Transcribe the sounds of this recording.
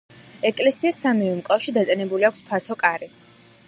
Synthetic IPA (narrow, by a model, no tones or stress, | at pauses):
ɛkʼlɛsiasamivɛmkʼlˠaʃid̪at̪ʼɛnɛbuliakʷʰspʰaɾt̪ʰɔkʼaɾi